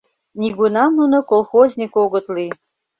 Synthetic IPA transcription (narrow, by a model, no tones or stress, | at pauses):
nʲiɡunɑmnunŏkolˠxozʲnʲikoɣŏt̪li